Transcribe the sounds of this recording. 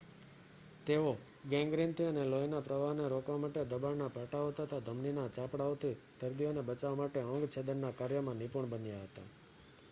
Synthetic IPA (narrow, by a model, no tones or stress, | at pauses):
t̪eo | ɡɛ̃ŋɡɾint̪ʰiənelojnapɾəʋaneɾokʋamaʈed̪əbaɭnapaʈaot̪ʰət̪ʰad̪ʱəmninat͡ʃapɽaot̪ʰi | d̪̥əɾd̪ijonebət͡ʃaʋamaʈeə̃ŋɡt͡ʃʰed̪əɾnakaɾjəmãnipuɳbənjaɦət̪a̰